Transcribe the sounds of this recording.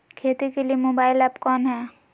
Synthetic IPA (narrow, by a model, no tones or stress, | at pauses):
kʰeːt̪ikelijemoːbaːɪlɛːpkɔːnɦɛː